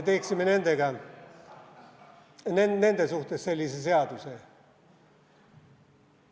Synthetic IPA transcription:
t̪eksimːenend̪æɡæ | nennend̪æsuht̪esselʲːiseseɑt̪use

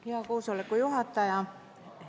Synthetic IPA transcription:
iɑkuːsolːekkujuhɑt̪ːɑjɑ

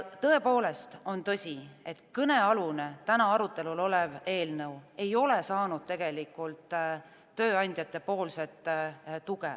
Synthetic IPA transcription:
t̪ɤ̞e̞po̞ːle̞st̪o̞nt̪ɤsʲie̞t̪kɤne̞ɑlunet̪ænɑɑɾut̪ːˑe̞lulo̞le̞ve̞ːlnɤwe̞jo̞le̞sɑːnud̪̥t̪e̞ɡ̥e̞likːˑult̪ː | øːɑnʲd̪̥ʲjɑt̪ːˑe̞po̞ːlse̞t̪ːˑt̪uɡ̥e

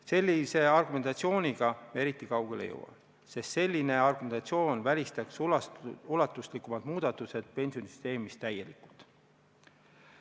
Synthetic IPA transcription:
se̞lʲːise̞ɑrɡ̥ume̞nt̪ɑt̪sio̞ːnʲiɡ̥ɑe̞ɾit̪ːˑikɑwɡ̥e̞lḛjo̰wɑ̰n | se̞st̪se̞lʲːine̞ɑrɡ̥umenɑt̪sio̞ːnvælʲist̪ɑkslulɑt̪ːˑuslikːˑumɑd̪̥muːd̪̥ɑt̪ːˑuse̞d̪̥̚pe̞nʲsio̞nisy̥st̪e̞ːmist̪t̪ːæje̞likult̪

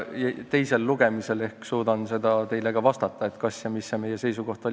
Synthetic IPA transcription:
jɑt̪e̞jse̞lːuɡ̥e̞mise̞le̞hkksuːd̪̥ɑnse̞d̪̥ɑt̪e̞jle̞ɡ̥ɑvɑst̪ɑt̪ːˑɑe̞t̪kɑsjɑmisːeme̞jːe̞se̞jsuɡ̥o̞ht̪olʲ

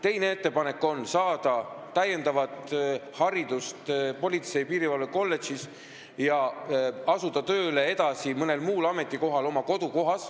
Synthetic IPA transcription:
t̪e̞jne̞e̞t̪ːe̞pɑne̞kːˑo̞nsɑːd̪̥ɑt̪æje̞nd̪ɑvɑt̪ˑhɑɾid̪̥ust̪po̞lʲit̪se̞jipiːɾivɑlveko̞lːe̞ʃis | jɑ | ɑsud̪̥ɑt̪ø̞ːle̞e̞d̪̥ɑsimɤne̞lmuːlɑme̞t̪ˑːiko̞ɦɑlo̞mɑko̞d̪̥uko̞ɦɑs

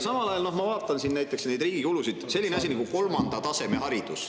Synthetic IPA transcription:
sɑmɑlɑjɑlno̞hmɑvɑːt̪ˑːɑnsinnæjt̪ˑːeksne̞jd̪riːɡ̥ikulusid̪̥se̞lʲːineɑs̬ʲiniɑkɡuko̞lmɑnd̪̥ɑt̪ɑse̞meɦɑɾid̪̥us

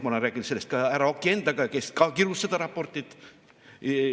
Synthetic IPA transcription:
molɑræːkinselːest̪̚kɑæɾɑokːiend̪ɑkɑkeskɑkiɾusːɑt̪ɑɾɑpːort̪ːit̪

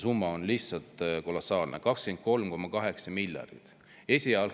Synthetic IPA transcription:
sumːɑonliht̪sɑlt̪ko̞losːɑːlnḛkɑkskent̪̚ko̞lmko̞mːɑkɑɦe̞ksɑmilʲjɑ̰rd̪̥it̪ | e̞sʲiɑl

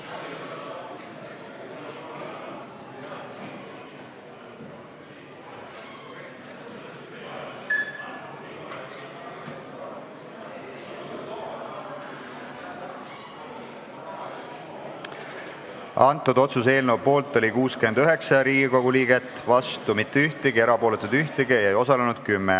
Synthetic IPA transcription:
ɑnt̪ːˑud̪o̞t̪sus̬e̞ːlnewpːo̞ːlt̪ːˑo̞lʲikuːske̞nd̪̥yɦe̞ksɑɾiːɡiko̞ɡ̥uliːɡet̪ːˑvɑst̪umit̪ːeyht̪eɡie̞ɾɑpo̞ːlet̪ːˑud̪̥yht̪eɡiejɑjo̞sɑle̞nud̪̥kymːɛ

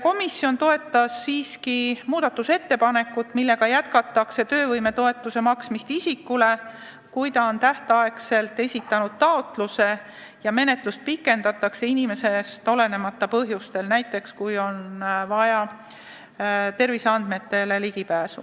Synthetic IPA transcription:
ko̞misːjo̞nt̪o̞e̞t̪ːˑɑsːiːskimuːd̪̥ɑt̪ːuse̞t̪ːe̞pɑne̞kːˑut̪ːˑmilːe̞ɡɑjæt̪̚kɑt̪ːˑɑkse̞t̪ø̞ːvɤjme̞t̪o̞e̞t̪ˑːuse̞mɑksmist̪isikːˑule̞ | kujt̪ɑont̪æht̪ɑekse̞lt̪ːˑe̞sʲit̪ːˑɑnud̪̥̚t̪ɑo̞t̪ˑluse̞ | jɑme̞ne̞t̪ˑlust̪̚pikːˑe̞nd̪̥ɑt̪ːˑɑkse̞inime̞se̞st̪o̞le̞ne̞mɑt̪ːˑɑpɤɦjust̪e̞lnæjt̪ːˑe̞kskujo̞nvɑjɑ | t̪e̞rviseɑnd̪̥me̞t̪ːe̞le̞liɡipæːsṵ

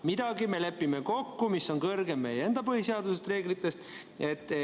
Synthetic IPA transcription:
mid̪̥ɑɡime̞le̞pːˑimeko̞kːumisːo̞nkɤrɡemːe̞jee̞nd̪̥ɑpɤhiseɑd̪usest̪re̞ːɡlit̪ːˑe̞st̪ | e̞t̪ːˑ

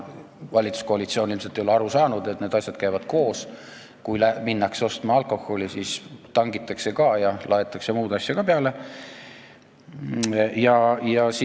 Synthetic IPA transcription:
vɑlʲit̪su̥sko̞ɑlit̪sio̞nilmset̪ejoleɑɾusɑːnud̪̥e̞t̪ːne̞ːd̪ɑsʲjɑd̪̥kæjvɑd̪̥ko̞ːs | kujlæminːɑkso̞st̪mɑɑlko̞xːo̞lisiːst̪ɑŋɡ̥it̪ːˑɑkse̞kɑjɑlʔɑe̞t̪ːˑɑkse̞muːd̪̥ɑsjɑkɑpeɑle̞ | jɑjɑsi

